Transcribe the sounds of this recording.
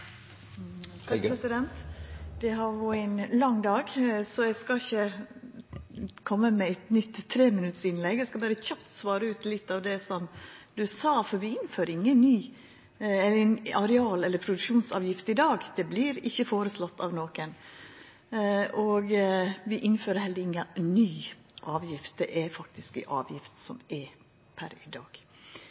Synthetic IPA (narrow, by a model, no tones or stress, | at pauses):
pɾɛsɪd̪ɛnt̪d̪̥ɛɦɑɾʋɔæɪnlɑŋːd̪ɑːɡsɔɛɡskɑɪçə | kʰɔmːəmɛɛt̪nʏt̪ʰːɾeːmɪnʉt̪əsɪnlɛɡːɛɪskɑbɑːɾəçɑp̚t̪sʋɑːɾəʉːt̪lɪt̪ːɑʋd̪ɛsɔmd̪ʉsɑːfɔɾʋɪɪnːføːɾɪŋːənnyː | ɛlːnɑɾɛɑːlɛləɾpʰɾʊd̪ʉkʂuːnsɑ̰ːʋjɪft̪ɪd̪ɑːɡd̪̥ɛblɪɾɪçːəfoːɾəslɔt̪ːɑ̰ʋnoːkən | ʔɔɡʋɪʔɪnføːɾəhɛld̪ɪŋːənyː | ʔɑːʋjɪft̪̚d̪ɛ̰ʔæfɑk̚t̪ɪskːʔɑ̰ːʋjɪft̪sɔmɛ | pʰæ̰ɾɪd̪ɑ̰ːɡ̥